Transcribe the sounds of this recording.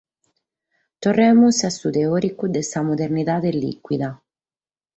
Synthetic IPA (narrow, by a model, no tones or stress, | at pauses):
t̪orːɛmusasut̪eɔːɾikud̪esamod̪eɾnit̪aːd̪elḭkwid̪a